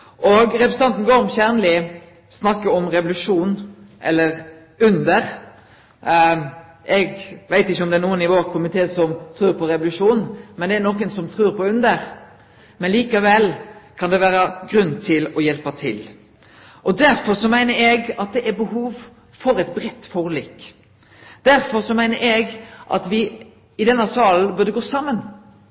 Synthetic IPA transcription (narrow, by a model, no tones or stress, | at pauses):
ʔɔɡɾɛpɾsn̩ɑnt̪n̩ɡoːɾɔmçæʁnəlɪ | snɑkːəɔmʁɛʋʊlʉʂuːnʔɛ̰lːəɾ | ʉnd̪əɾ | ʔɛɡʋæɪt̪ɪçːəɔmd̪ɛnuːənɪʋoːɾkʰʊmɪt̪ʰeːsɔmt̪ʰɾʉːɾpʰɔɾɛʋʊlʉʂuːnmɛnd̪ɛæɾnɔkənsɔmt̪ʰɾʉːɾpɔʉnd̪əɾ | mɛnliːkəʋɛlkʰɑnd̪ɛʋæːɾəɡɾʉnːt̪ʰɪlɔjɛlpət̪ʰɪ̰l | ʔɔd̪æɾfɔsɔmæɪnəɾɛɡɑt̪̚d̪ɛʔæɾbəhuːʋ | fɔɾɛt̪̚bɾɛt̪ːfɔʁliːk | d̪̥æɾfɔɾsɔmæɪnəɾɛɡʔɑ̰t̪ʋɪ | ɪd̪ɛnːɑsɑːln̩bʉd̪əɡoːsɑmːən